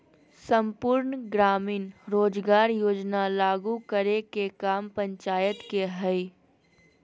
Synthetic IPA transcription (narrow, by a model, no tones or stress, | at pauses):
səmpʊːɾnɡɾaːmiːnɾoːd͡ʒɡaːɾjoːd͡ʒnalaːɡukəɾekekaːmpə̃ɲt͡ʃaːjət̪keɦəi